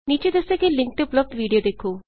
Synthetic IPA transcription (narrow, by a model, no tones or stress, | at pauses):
niːt͡ʃed̪ɐsekelɪ̃ŋk̚ʈ̪eplɐb̚d̪ʋiːɖijod̪eːkʰoː